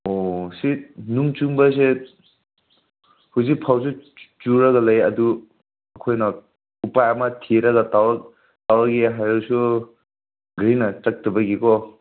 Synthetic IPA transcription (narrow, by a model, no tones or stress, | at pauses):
osinuŋt͡ʃuŋbɐse | huzik̚pʰawsut͡ʃuɾɐɡɐlɐjɐdu | ɐkʰojnɐ | upajɐmɐtʰiɾɐɡɐtawɾ | tawɾɐɡiɦajɾasu | ɡajnɐt͡ʃɐk̚tɐbɐɡikɔ